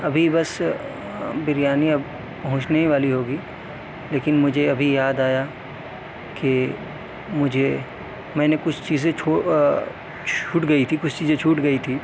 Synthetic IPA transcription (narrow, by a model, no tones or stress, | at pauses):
ɐbʱibɐs | bɪɾjaːniɐb | pɐɦʊ̃t͡ʃneʋaːliɦoːɡiː | leːkɪnmʊd͡ʒʱeɐbʱijaːd̪aːja | ke | mʊd͡ʒʱe | mɛ̃ːnekʊt͡ʃʰt͡ʃiːzẽt͡ʃʰoː | t͡ʃʰuːʈɡɐit̪ʰikʊt͡ʃʰt͡ʃiːzẽt͡ʃʰuːʈɡɐit̪ʰiː